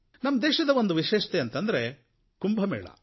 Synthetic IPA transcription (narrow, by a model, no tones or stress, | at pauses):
nɐmːɐd̪eːʃɐd̪ɐʋo̞nd̪uʋiʃeːʃɐ̥t̪eɐnt̪ɐnd̪ɐɾe | kumbʱɐmḛːɭɐ̰